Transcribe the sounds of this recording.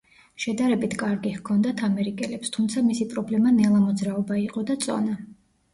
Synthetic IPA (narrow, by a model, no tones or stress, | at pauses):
ʃɛd̪aɾɛbit̪ʰkʼaɾɡihkʰɔnd̪at̪ʰamɛɾikʼɛlɛpst̪ʰumt̪sʰamisipʼɾɔblɛmanɛlˠamɔd̪zɾaɔbaiqʼɔd̪at̪sʼɔ̰na